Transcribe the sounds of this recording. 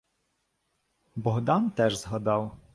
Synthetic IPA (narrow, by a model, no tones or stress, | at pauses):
bɔɦd̪ɑnt̪ɛʒzɦɐd̪ɑw